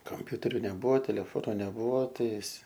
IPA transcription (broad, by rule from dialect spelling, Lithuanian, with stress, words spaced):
kɐmʲˈpʲʊtʲɛrʲʊ nʲɛˈbʊʋoː tʲɛlʲɛˈfoːnʊ nʲɛˈbʊʋoː ˈtɐɪs